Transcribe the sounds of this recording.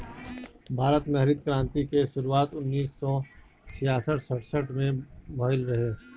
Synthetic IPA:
bʱaːɾət̪mɛɦɾɪd̪̚kɾãːnt̪ikeʃʊɾuaːt̪ʊnːiːsːɔ | t͡ʃʰɪjaːsəʈʰsəʈʰsəʈʰmẽbʱɔːɪlɾɐɦeː

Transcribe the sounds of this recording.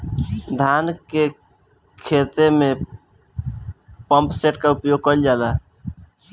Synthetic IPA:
d̪ʱanke | kʰet̪eme | pə̃mpseʈkaupjoɡ̚kəld͡ʒala

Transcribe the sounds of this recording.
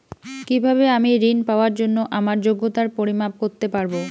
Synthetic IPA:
kibʱabeamiɾinpaoaɾd͡ʑonːoʔamaɾd͡ʑoɡːot̪aɾpoɾimap̚koɾt̪epaɾbo

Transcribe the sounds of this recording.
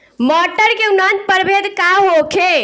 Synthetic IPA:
mɔːʈəɾkeunãnt̪̚pəɾbʱeːd̪kaɦokʰe

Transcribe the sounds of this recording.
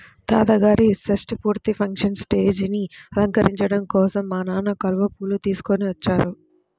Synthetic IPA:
t̪aːt̪ɐɡaːɾisɐsʈipuːɾt̪ipʰɐŋkʂɐnsʈe̞ːd͡ʒniɐlɐŋkɐɾiɲt͡ʃɐɽɐmkɔːsɐmːaːnaːnɐkɐluʋɐpuːlut̪iːsu̥koniʋɐt͡ʃːaːɾu

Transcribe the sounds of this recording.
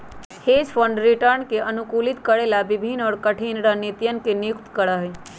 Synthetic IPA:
heːd͡ʒpʰəɳɖɾɪʈəɾnkeʔɐnʊkuːlɪt̪kəɽelabɪbʱinɔːɾkəʈʰiːnɾanit̪jənkenɪjʊkt̪kəɾaɦeː

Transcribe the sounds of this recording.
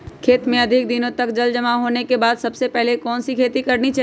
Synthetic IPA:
kʰeːt̪mẽɐd̪ʱɪk̚d̪ɪnõt̪ɐkd͡ʒɐld͡ʒɐmaɦoːnekebaːd̪sɐbsepɛɦlekɔːnsikʰeːt̪ikɐɾnit͡ʃa

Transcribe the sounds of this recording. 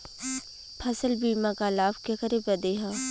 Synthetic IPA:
pʰɐsəlbiːmakalaːbkekəɾebɐd̪eɦaː

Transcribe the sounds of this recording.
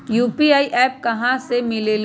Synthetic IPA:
juːpiaːiʔɛːp̚kɐɦãsemɪlel

